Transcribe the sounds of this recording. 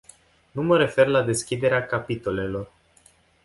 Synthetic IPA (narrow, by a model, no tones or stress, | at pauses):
numəɾe̞fe̞rlad̪e̞skʲid̪e̞ɾeakapit̪o̞le̞lo̞r